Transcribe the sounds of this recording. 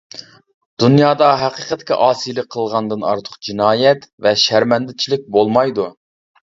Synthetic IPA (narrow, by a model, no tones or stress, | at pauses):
d̪̥unjɑːd̪ɑɦæqiːqʰət̪kʲɛ̰ʔɑːsijlˠək̚qʰːəlˠʁɑnd̪ɨnɑ̰ɾt̪ʰə̥qd͡ʒinɑːjɛt̪vɛʃæɾmɛnd̪ɪt͡ʃʰilɪk̚ʲbolˠmɑjd̪u